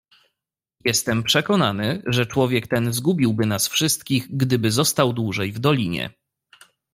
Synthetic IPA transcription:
jɛst̪ɛmpʂɛkɔnanɘʐɛt͡ʂwɔvʲjɛkt̪ɛnzɡubʲiwbɘnasfʂɘst̪kʲiɣɡd̪ɘbɘzɔst̪awd̪wuʐɛjvd̪ɔlʲiɲɛ̰

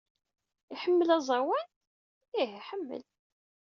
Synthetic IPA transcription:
iħəmːəlæzˤɑwæn | iɦiħəmːə̰l

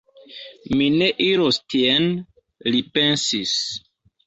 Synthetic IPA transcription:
mine̞ʔiɾostien | lipensis

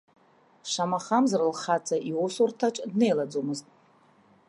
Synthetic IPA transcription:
ʂamaχamzɨrɨlχat͡sʰaʔiwosortʰaʈ͡ʂʼdne̞jlad͡zomɨztʼ

